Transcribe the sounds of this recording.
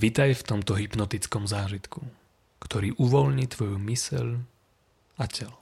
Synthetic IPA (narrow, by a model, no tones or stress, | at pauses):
ʋit̪ajft̪ɔmt̪ɔɦipnɔt̪it͡skɔmzaːʒit̪ku | kt̪ɔɾiːʔuʋɔlɲiːt̪ʋɔjumisɛ̰l | acɛl